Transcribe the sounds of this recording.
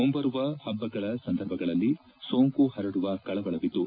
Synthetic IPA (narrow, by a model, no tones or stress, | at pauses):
ombɐɾuʋɐhɐbːɐɡɐɭɐsɐnd̪ʱɐɾbʱɐɡɐɭɐlːi | soːŋkuhɐɾɐɽuʋɐkɐɭɐʋɐɭɐʋit̪ːu